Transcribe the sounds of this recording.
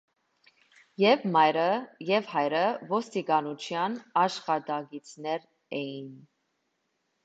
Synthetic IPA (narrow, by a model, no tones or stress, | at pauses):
jɛvmɑjɾəjɛvhɑjɾəvɔst̪ikɑnut͡ʃʰjɑnɑʃχɑt̪ɑɡit͡sʰnɛɾ | ɛjin